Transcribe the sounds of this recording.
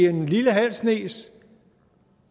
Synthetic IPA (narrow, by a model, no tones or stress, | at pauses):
e̝nliləɦæn̰sne̝̰ːs